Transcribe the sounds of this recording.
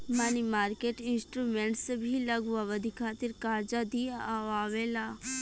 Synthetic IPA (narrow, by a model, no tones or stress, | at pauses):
manimaːɾkeːʈɪnsʈɾuːmẽːɳʈsebʱilɐɡuaʋəd̪ʱikʰaːt̪ɪɾkaːɾd͡ʒad̪iaaːʋeːlaː